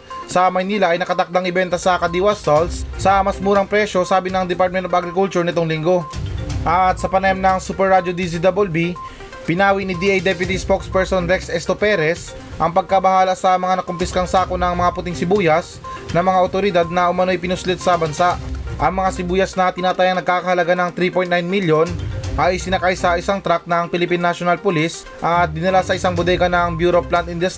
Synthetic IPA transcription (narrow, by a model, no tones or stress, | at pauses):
sɐmɐjniːlɐʔɐjnɐkɐt̪ɐk̚d̪aŋɪbɛnt̪ɐsɐkɐd̪iwast̪olsːɐmɐsmuːɾɐŋpɾɛʃo̞saːbɪnɐŋd̪ɛpaɾt̪̚mɛnt̪obɐɡɾɪkʊlt͡ʃuɹnɪt̪oŋlɪŋɡo̞ʔɐt̪sɐpɐnɐjɐmnɐŋsupɛɹːad͡ʒod̪isid̪ɐbolbi | pɪnaːwinɪd̪iʔɐjd̪ɛp̬jʊt̪ispokspɛɹsonɾɛksʔɛst̪opɛɾɛs | ʔɐŋpɐɡ̚kɐbɐhaːlɐsɐmɐŋanɐkʊmpɪskɐŋsaːkonɐŋmɐŋapʊt̪ɪŋsɪbuːjɐs | nɐŋmɐŋaʔot̪oɾɪd̪ad̪̚nɐʔʊmɐno̞jpɪnʊslɪt̪sɐbɐnsaʔʔɐŋmɐŋasɪbuːjɐsnɐt̪ɪnaːt̪ajɐŋnɐɡ̚kaːkɐhɐlɐɡanɐŋt̪ɾipojt̪najnmiljonʔɐjɪsɪnɐkajsɐʔɪsaŋt̪ɾak̚nɐŋpɪlɪpinːaʃonɐlpʊlis | ʔɐt̪̚d̪ɪnɐlasɐʔɪsaŋbʊd̪ɛɡɐnɐŋbjuːɾoplant̪ɪnd̪ɛst̪